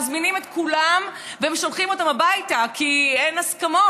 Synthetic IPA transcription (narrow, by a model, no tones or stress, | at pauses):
zminimet̪kulam | veemʃomχimo̞tamabajtakʰienaskamo